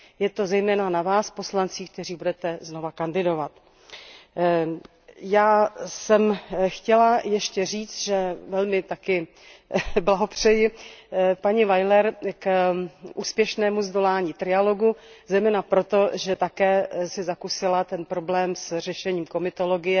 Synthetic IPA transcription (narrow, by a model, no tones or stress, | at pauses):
jɛt̪o̞zɛjmɛːnanavaːspo̞slant͡siːk̚t̪ɛr̝iːbudɛt̪ɛzno̞vakandɪdo̞vat̪ | jaːsɛmxcɛlajɛʃcɛr̝iːt͡st̪ʒɛvɛlmɪt̪akɪ | blaɦo̞pr̝̥ɛjɪ | paɲɪvajlɛɾkʔuːspjɛʃnɛːmuzdo̞laːɲiːt̪ɾɪjalo̞ɡuzɛjmɛːnapɾo̞t̪o̞ʒɛt̪akɛːsɪzakusɪlat̪ɛnpɾo̞blɛːmsr̝ɛʃɛɲiːmko̞mɪt̪o̞lo̞ɡɪjɛ